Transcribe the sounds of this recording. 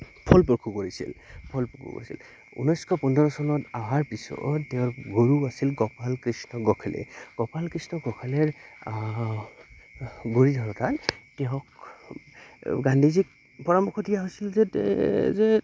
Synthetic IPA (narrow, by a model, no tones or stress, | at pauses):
pʰɔlpɔkʰukoɹisḭlpʰɔlpɔkʰṵko̰ɹisḭl | ṵnɔjskʰɔpɔndɔɹɔsɔnɔtaɦaɹpisɔ̰ːeʊ̃ɹɡoɹuasilɡɔpalkɹisnɔɡɔkʰelɛ̰ɡ̥ɔpalkɹisnɔɡɔkʰelɛɹ | ɡoɹidʱɔɹɔtatkɛɦɔk | ɡandʱizik̚ | pɔɹamɔkʰɔdijaɦojsilzɛzɛ